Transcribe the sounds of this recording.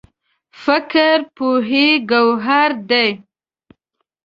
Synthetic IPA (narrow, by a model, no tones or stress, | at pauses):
fɪkɾpuɦeɡawɦaɾd̪ej